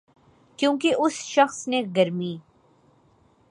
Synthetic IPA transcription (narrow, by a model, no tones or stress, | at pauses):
kjõːkeʔʊsʃɐxsneɡɐɾmiː